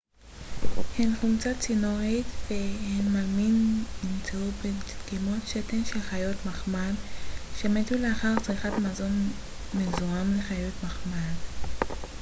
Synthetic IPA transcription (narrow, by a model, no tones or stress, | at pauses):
henχumt͡sat͡sinoʁit̪vehenmaminnimt͡seubeɡimotʃetenʃelχajotmaχmadʃemet̪uleaχaʁt͡sʁiχat̪mazo̞n | mezuamleχajot̪maχmad